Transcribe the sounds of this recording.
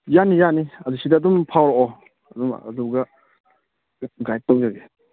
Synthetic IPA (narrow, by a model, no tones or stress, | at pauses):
janijaniɐdusidaːdumpʰawɾɔʔɔ | ɐduma̰duɡa | ɡaj̚tɔk̚jaɡe